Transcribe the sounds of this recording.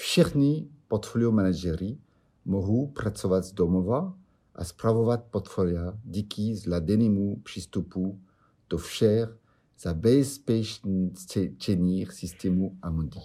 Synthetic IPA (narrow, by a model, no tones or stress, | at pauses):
fʃiʁnipɔʁt̪fɔljomanad͡ʒɛʁi | mɔɦuprat̪t͡sɔvat̪zd̪ɔmɔva | a̰spɾavɔvat̪̚pɔʁt̪fɔljad̪ikizlad̪ɛnimupr̥ist̪upu | t̪ɔfʃɛʁ | z̥abɛspɛʃnst͡ʃɛniːʁsist̪ɛmuamɔd̪i